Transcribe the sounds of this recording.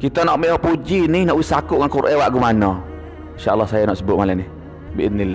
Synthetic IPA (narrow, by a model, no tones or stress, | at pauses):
kit̪ɔnɔʔmiɔʔpud͡ʒinihnɔʔwisakuʔŋankuɾʔɛwaʔɡumanɔ | nʃaʔə̰lːɔhsajanɔʔsəbʊʔ̪̚malɛnih | biʔɪd̪nilːa